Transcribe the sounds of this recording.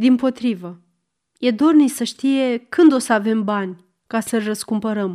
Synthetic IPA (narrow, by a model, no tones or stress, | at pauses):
d̪impo̞t̪ɾivə | je̞d̪o̞rnisəʃt̪ije̞kɨnd̪o̞səave̞mbanʲ | kasəɨrʲrəskumpəɾəm